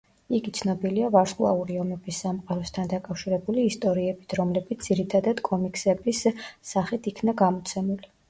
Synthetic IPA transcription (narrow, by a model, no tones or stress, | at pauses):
iɡit̪sʰnɔbiliavaɾskʼlˠa̰uɾiɔmɛbisːamqʼaɾɔst̪ʰand̪akʼafʃiɾɛbuliːst̪ʼɔɾiɛbit̪ʰɾɔmlɛbit̪d̪iɾit̪ʰad̪ad̪̥kʼɔmikʼsɛbisːaχit̪ʰikʰnaɡamɔt̪sʰɛmuli